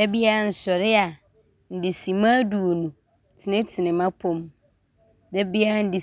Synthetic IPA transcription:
dɛ˦bi˦a˦˨n̩˨sɔ˨ɾɪ˦a˨ | n̩˨dɪ˨sĩ˨mãː˦du˨o˨nũ˨ | tʰɪ˨nɪ̃˦tʰɪ˨nɪ̃˨mã˦pʰʊ̃˦m | dɛ˦bi˦a˦n̩˦dɪ˨

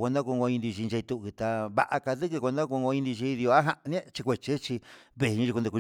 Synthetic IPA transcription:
kʷo˧nd̪ã˦ku˧ɡo˧ĩ˧nd̪i˧ʃi˧e˧i˧t̪u˧t̪a˧βa̰˧ʔa˧ka˧ðɨ˦kkʷo˧nd̪ã˦ku˧ŋɡo˧ĩ˧nd̪i˧ʒi˧i˧ði˧o˧a˦ɦa˧ʔñ˦ẽ˦t͡ʃi˧kʷe˧t͡ʃe˦t͡ʃi˧ | βe˧ɲĩ˧i˧ku˧d̪e˧ku˧

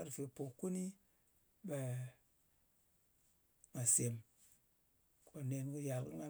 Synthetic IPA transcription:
a˦ɾfe˨po˨ku˦ni˦ | ɓa˨ | ŋa˨se˨m | kʰo˨ne˨nku˧ja˨kḭ˦ŋa˦

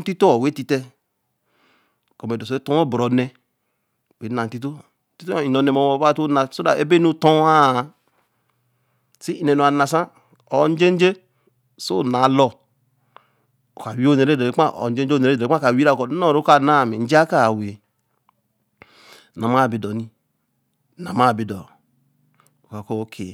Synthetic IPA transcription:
n̩˦ti˦to˦ɔ˨we˦ti˦te˦ | ko˨me˨do˨so˨˦e˦tõ˦o˦˨bɾɔ˨˦nɛ˦˨ | e˨˦na˨n̩˨˦ti˦t̬o˦ | ti˦to˦˨i˨nɔ˨nɛ˨mo˨wo˨˦ba˦˨to˦na˨so˦da˨e˦be˦nu˦tõ˦a˦˨ | si˦i˦nɛ˨no˨a˨na˨sa˦ | o˨˦n˦d͡ʒe˦n˦d͡ʒe˦ | so̰˦˨na˨˦lɔ˦ | o˨a˨wi˦o˦˨e˨ɾe˦˨de˨e˨˦a˦o̰˨n̩˦d͡ʒe˦˨e˨ɾe˦˨˦a˦ka˨wi˦ɾa˦˨ko˨˦o˦˨ɾo˦a˨na˦˨me˨n̩˦d͡ʒa˦ka˦˨we˨ | na˨ma˦˨bi˨dɔ˨ni˦˨ | na˨ma˦˨bi˨dɔ˨ | o˨ka˨ko˦kʰe˨

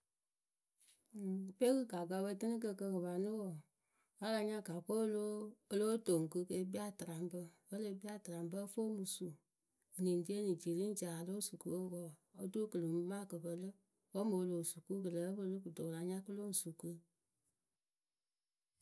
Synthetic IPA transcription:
pe˦kɨ˦ka˨ɡa˧˦bə˧˦tɨ˦ni˦k̬ə˧kə˧kɨ˨βa˨nɨ˦wɔ˨ | wa˦la˧ɲã˦ka˨ko˦lo˦lo˦to˨ŋ˨kɨ˧˦ke˧˦bi˦a˦˨tɨ˨ɾa˨mbə˦wə˦lə˧˦bi˦a˦˨tɨ˨ɾa˨m˦bə˦fo˦mu˨su˨ | nĩ˨n˨di˦e˦ni˨d͡ʒi˨li˦n̩˦d͡ʒa˨a˨lo˦su˨kɨ˨o˦wɔ˨o˦du˦kə˨lɨ˨˦ma˦˨kə˨bə˨lə˦ | wo˦mo˨˧˦lo˨su˨ku˦kə˨lə˨˦bə˦lɨ˦ku˨to˨la˨ɲã˦kɨ˦lo˦ŋ̩˨su˨kɨ˦

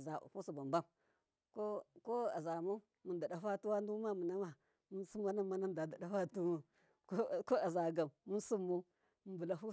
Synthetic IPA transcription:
za̰˨hu˦su˨ba˨mba˦m | ko˦ko˦a˨za˨mu˦ | mə˨nda˨ɗa˨fa˦tu˦wa˦ndu˦ma˦mə˨na˦ma˨ | mə˦n˦su˦ma˦na˦ma˨na˦n˨da˨da˨ɗa˦fa˦tu˦mu˦ | ko˦a˨za˨ɡa˨mmu˦n˦su˦mːu˦ | m˨bu˨la˨ɦu˦

